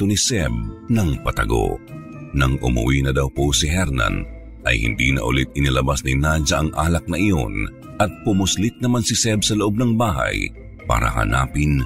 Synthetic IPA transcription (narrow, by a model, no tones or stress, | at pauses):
t̪ʊnisɛb̚nɐŋpɐt̪ɐɡo̰ | nɐŋʔʊ̰mɐ̰winɐd̪ɐwposɪɦɛɾnɐ̰n | ʔɐ̰jhɪ̰nd̪ḭnɐ̰ʔʊ̰lit̪̚ɪnɪlɐbasnɪnad͡ʒɐʔɐŋʔaːlɐk̚nɐʔɪjo̞̰n | ʔɐt̪̚pʊmʊslit̪̚nɐmansɪsɛb̚sɐloʔo̞b̚nɐŋbaːɦɐ̰j | pa̰ːɾɐ̰ɦɐ̰na̰ːpɪn